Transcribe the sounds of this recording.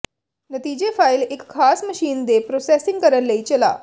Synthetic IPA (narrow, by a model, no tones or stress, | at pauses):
nət̪iːd͡ʑefajlekʰːasməɕiːnd̪epɾosɛsiŋɡkəɾəllːeit͡ɕəla̰